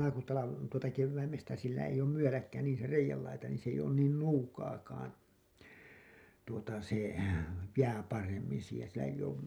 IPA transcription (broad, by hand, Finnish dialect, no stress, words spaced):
ɑlɑkutɑlɑ tuotɑ keʋːæimestæ silːæ eij oːm myølækːæ niːn̞ se reijælːɑitɑ niːn s eij oːn nuːkɑːkɑːn tuotɑ se jæː pɑremːin̞ siːhen silːæ eij̆ oːm